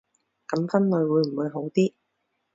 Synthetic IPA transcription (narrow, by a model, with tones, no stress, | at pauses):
kɐ˨˥mfɐ˥nlɵ˨˧ɥwuː˨˧jm̩˨˩wuː˨˧jɦo˨˥wt̪iː˥